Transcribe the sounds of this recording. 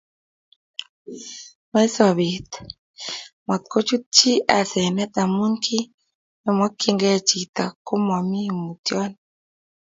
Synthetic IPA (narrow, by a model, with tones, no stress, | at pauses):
ma˦i˦sɔ˨βi˨t̪ | mɔ˨t̪̚ko˦t͡ʃu˦t̚t͡ʃi˦a˨sɛ˨nɛ˦ɗ̪a˨mu˦ŋkʰi˦ | mɛ˨mɔ˦kːi˦ŋɡɛ˦t͡ʃi˨t̪a˨ko˦mɔ˨mi˦˨mu˨t̪jɔ˦n